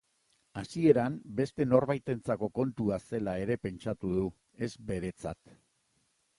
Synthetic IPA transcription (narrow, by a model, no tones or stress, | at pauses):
asie̞ɾambe̞st̪e̞no̞ɾβajt̪e̞nt͡sako̞ko̞nt̪uase̞lae̞ɾe̞pe̞nt͡ʃat̪uðu | e̞zbe̞ɾe̞t͡sa̰t̪